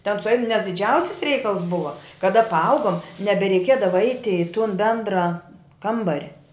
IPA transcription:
tʲɛn sʊˈɛɪn nʲɛs dʲɪˈd͡ʒʲɛʊsʲɪs ˈrʲɛɪkɐlˠs ˈbʊʋɐ kɐˈdɐ pɐˈɐʊɡoːm nʲɛbʲɛrʲɛɪˈkʲiɛdɐʋɐ ˈɐɪtʲɪ ɪ tʊn ˈbʲɛndrɑː ˈkɐmbɐrʲ

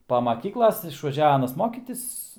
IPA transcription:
pɐ mɐˈkʲiːklˠɐs ɪʃʋɐˈʒʲɛw ˈɑːnɐs ˈmoːkʲiːtʲɪs

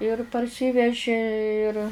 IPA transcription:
ɪr pɐrʲˈsʲiːʋʲɛʒʲeː ɪr

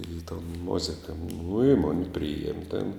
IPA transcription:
iː toːn ˈmoːzʲɪkɐ nʊ ɪ ˈmoːnʲɪ ˈpʲrʲɪjiɛmʲ tʲɛn

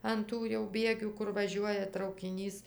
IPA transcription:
ɐn ˈtuː jɛʊ ˈbʲiɛɡʲuː ˈkʊr ʋɐˈʒʲuɔjɛ trɐʊkʲɪˈnʲiːs

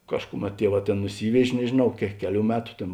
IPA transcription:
ˈkɑːʃkʊˌmʲɛt ˈtʲiɛˌʋɑː ˈtʲeːn nʊˈsʲiːʋʲɛʃʲ nʲɛʒʲeːˈnɐʊ kʲɛ ˈkʲæːˌlʲuː ˈmʲæːtʊ ˈtʲeːn

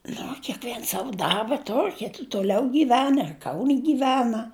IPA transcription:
ˈnʊ oː kʲɛˈkʋʲiɛns ˈsɑːʋʊ ˈdɐrbɐ ˈtoːrʲ ˈkʲɪtʲɪ tʊˈlʲɛʊ ɡʲiːˈʋʲæːnɐ ɪr kɐʊnʲ ɡʲiːˈʋʲæːnɐ

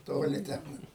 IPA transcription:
ˈtoːlʲɪ ˈtʲɛn

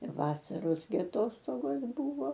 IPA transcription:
ɪr ˈʋɑːsɐroːs ɡʲɪ ɐˈtoːstoːɡoːs ˈbuːʋoː

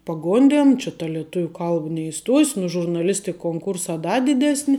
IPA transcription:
pɐˈɡoːnʲdʲeːn t͡ʃʲɪ tɐ lʲiɛˈtʊʋʲʊ ˈkɐlˠp nʲɛɪˈstuɔsʲ nʊ ʒʊrnɐˈlʲɪsʲtʲɪk koːŋˈkʊrsɑː ˈdɐ dʲɪˈdʲæːsʲnʲɪ

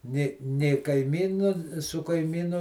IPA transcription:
nʲeː nʲeː kɐɪˈmʲiːnʊ sʊ kɐɪˈmʲiːnʊ

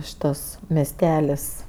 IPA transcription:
ˈʃʲɪtɐs mʲɛsʲˈtʲæːlʲɪs

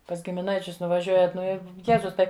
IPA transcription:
pɐs ɡʲɪmʲɪˈnɐɪt͡ʃʲʊs nʊʋɐˈʒʲuɔjɛt ˈnʊ ɪ ˈjæːzʊs ˈtɐɪ

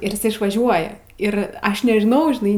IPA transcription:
ɪr ɪˈsɐɪ ɪʃʋɐˈʒʲuɔjɛ ɪr ˈɐʃ nʲɛʒʲɪˈnɐʊ ʒʲɪˈnɐɪ

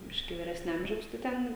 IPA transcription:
ˈbʲɪʃʲkʲiː ʋʲiːˈrʲæːsʲnʲɛ ˈɐmʲʒʲɛʊs tɐɪ ˈtʲɛn

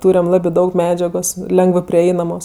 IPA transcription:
ˈtʊrʲɛm ˈlˠɑːbɜ ˈdɐʊk ˈmʲæːd͡ʒʲɛɡoːs ˈlʲɛŋɡʋɜ pʲrʲɪˈɛɪnɐmoːs

